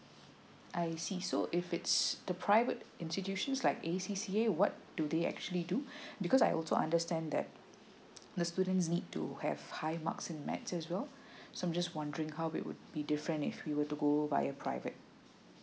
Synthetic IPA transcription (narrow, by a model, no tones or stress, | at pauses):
ʔaɪsisoʔɪfɪtsd̪̥əpʰɹaɪvətɪ̃nstitjuʃə̃nslaɪkesisiewɔt̚d̥ud̪eɛ̰k̚t͡ʃuəlidubikɔsaɪɔ̰lsoʔã̰ndəstɛ̃nd̪ɛ̰t̚ | d̪əstudə̃n̩tsnid̚tṵhɛ̰v̥haɪma̰ksɪ̃nmɛ̰tsɛswɛl | soãmd͡ʒaswãndəɹɪ̃ŋhaʊɪ̰t̚wʊ̰d̚bidɪfɹə̃ntɪ̰fwiwətuɡova̰ɪəpʰɹa̰ɪvə̰t̚